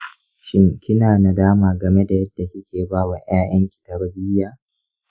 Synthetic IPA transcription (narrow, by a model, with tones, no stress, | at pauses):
ʃɪ˦ŋkʲɪ˦naː˨na˨daː˦maː˨ɡɐ˨me˦da˨jɐ˦dːa˨kʲɪ˦kʲeː˨baː˦wɐ˨ɲj̰aː˦jɐ˦ŋkʲi̥˨tɐ˨ɽɐ˦bi˦jaː˨